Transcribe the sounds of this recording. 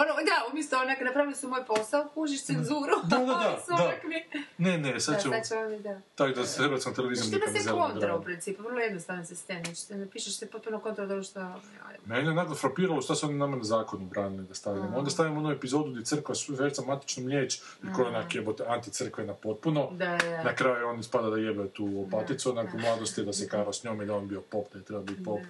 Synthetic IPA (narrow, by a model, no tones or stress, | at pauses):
onod̪aumjest̪oonaknapɾaːʋilisumojposaokuːʒiʃt̪senzuːɾud̪ad̪ad̪asoaakminenesad̪t͡ʃeat͡ʃond̪at̪aid̪at̪ɾebɾat̪snt̪eleizamemizlkonɾɾaupɾint̪siːpuvr̩lojed̪ost̪aɾnosest̪emnat͡ʃi̥t̪enapiːʃaʃt̪ipot̪̚punokont̪ɾald̪oɡʃt̪a | a̰jmenionakofɾapiːɾaloʃt̪asuonanamanazaːkonubɾaːnilid̪ast̪aʋiamo̞nd̪ast̪aʋimonuepizo̞ːd̪uɡd̪jet̪ɾr̩kʋasifeɾtsamant̪i̥t͡ʃnomʎʲjeːt͡ʃ | ikojenakebot̪eant̪it̪sr̩kʋenapo̞t̪̚punod̪aanakɾaːjuonspad̪ad̪ajebet̪uːopat̪it̪suonakomlˠaːd̪ost̪ijed̪asekaːɾasɲoːmild̪ionbiopopd̪ajit̪ɾebabit̪pop